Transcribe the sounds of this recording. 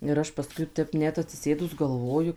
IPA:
ɪr ˈɐʃ pɐˈskʊɪ ˈtʲɛp ˈnʲɛt ɐtʲsʲɪˈsʲeːdʊs ɡɐlˠˈʋoːjʊ

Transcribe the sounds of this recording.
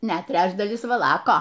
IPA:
ˈnʲɛt ˈtʲrʲæːd͡ʒdɐlʲɪs ʋɐˈlˠɑːkoː

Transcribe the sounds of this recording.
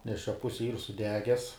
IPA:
nʲɛs t͡ʃʲɛ ˈpʊsʲɪ iːr sʊˈdʲæːɡʲɛs

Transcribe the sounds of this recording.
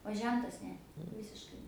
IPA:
oː ˈʒʲɛntɐs ˈnʲɛ ˈʋʲɪsʲɪʃkɐɪ

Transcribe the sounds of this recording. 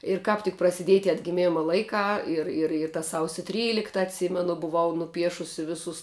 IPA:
ɪr ˈkɑːp tʲɪk prɐsʲɪˈdʲiɛj tʲiɛ ɐdʲɡʲɪˈmʲɪmɐ ˈlˠɐɪkɑː ˈɪr ɪr ɪr tɐ ˈsɐʊsʲʊ ˈtʲrʲiːlʲɪktɐ ɐtʲˈsʲiːmʲɛnʊ bʊˈʋɐʊ nʊˈpʲiɛʃʊsʲɪ ˈʋʲɪsʊs

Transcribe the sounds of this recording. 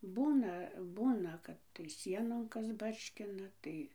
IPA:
ˈbuːnɐ ˈbuːnɐ ˈkɐt tɐɪ ˈsʲiɛnoːn ˈkɐs ˈbɐrʲʃʲkʲɪnɐ ˈtɐɪ

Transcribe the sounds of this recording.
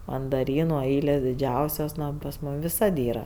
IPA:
mɐndɐˈrʲiːnʊ ˈɐɪlʲeːs dʲɪˈd͡ʒʲɛʊsʲoːs ˈnoː oː pɐs ˈmuːm ʋʲɪˈsɐt ˈiːrɐ

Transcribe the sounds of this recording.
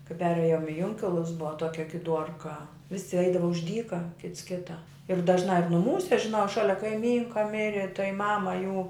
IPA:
kɐɪ ˈpʲæːrʲeːjoːm ɪ ˈjʊŋʲkʲɪlˠʊs ˈbʊʋɐ ˈtuɔkʲɛ ɡʲɪˈduɔrkɐ ˈʋʲɪsʲɪ ˈɐɪdɐʋɐ ʊʃ ˈdʲiːkɐ ˈkʲɪts ˈkʲɪtɐ ɪr dɐʒˈnɑː jʊk nʊˈmuːsʲɛ ʒʲɪˈnɐʊ ˈʃɑːlʲɛ kɐɪˈmʲiːŋkɐ ˈmʲɪrʲɪ tɐɪ ˈmɑːmɐ juː

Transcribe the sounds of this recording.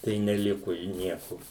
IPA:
tɐɪ nʲɛˈlʲɪkʊ ɪ ˈnʲiɛkʊ

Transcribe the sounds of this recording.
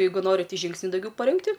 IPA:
ˈjɛɪɡʊ ˈnoːrʲɪ tʲɪ ˈʒʲiːŋksʲnʲʊ dɐʊˈɡʲɛʊ pɐˈrʲɪŋktʲɪ

